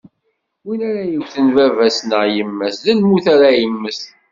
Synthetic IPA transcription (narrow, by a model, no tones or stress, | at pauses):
winæɾæjəwθənvævæsnəʁjəmːæsðəlmuθaɾajəmːəs